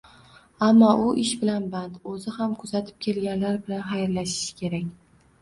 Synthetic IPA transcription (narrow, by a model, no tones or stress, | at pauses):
amːɒʔʊʔɪʃbɪlanbant̪ɵzɪhamkʰʊzat̪ʰɪ̥p̚kʲʰe̞lɡʲanlaɾbɪlanχajɾlaʃɪ̥ʃkʲʰe̞ɾakʲ